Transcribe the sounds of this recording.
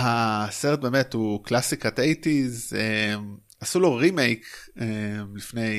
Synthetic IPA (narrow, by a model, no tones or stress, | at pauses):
haseʁet̚be̞ːmethuklasikatejtizem | asulo̞ʁimejkemlifne̞j